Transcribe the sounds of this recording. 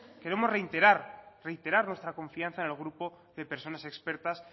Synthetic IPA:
ke̞ɾemo̞zreit̪eɾaɾre̞jt̪e̞ɾaɾnwest̪ɾako̞ɱfian̟θaenelɣ̞ɾupo | ðe̞pe̞ɾso̞nase̞kspe̞ɾt̪as

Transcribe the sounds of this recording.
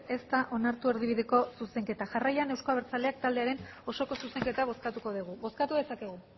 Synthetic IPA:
e̞st̪aʔo̞naɾt̪ue̞ɾð̞iβ̞iðe̞ko̞suse̞ŋke̞t̪aʝarajane̞wskoaβeɾt͡sale̞ak̚t̪ald̪e̞aɾe̞n | o̞so̞ko̞suse̞ŋke̞t̪aβ̞o̞skat̪uko̞ð̞iɣ̞uβo̞skat̪uðe̞sake̞ɣ̞u

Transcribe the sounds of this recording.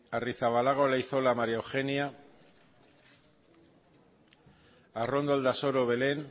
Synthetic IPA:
ariθaβalaɣolaiθo̞lamaɾiaewxenia | arond̪old̪aso̞ɾoβe̞le̞n

